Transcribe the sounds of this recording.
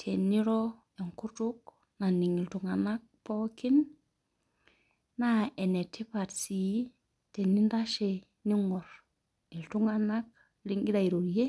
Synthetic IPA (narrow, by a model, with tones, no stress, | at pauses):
tʰe˨ni˦ɾo˦ | e˨ŋku˦ɾtu˦k̚ | na˨ni˨ŋi˨ltu˨ŋa˨na˦k̚po˦ki˦n | na˦˨e˨ne˨tʰːi˦pa˨tsi˨˦ | te˨nːi˦n˦da˦ʃe˨ | ni˦ŋɔ˨ɾ | i˨ltu˦ŋa˨na˦k̚ | li˦ŋɡi˦da˨i˨ɾo˨ɾje˦